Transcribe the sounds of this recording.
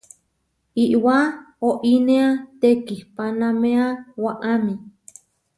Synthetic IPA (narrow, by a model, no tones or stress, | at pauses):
iʔwa | oʔinẽat̪ekihpanãmẽawaʔamĩ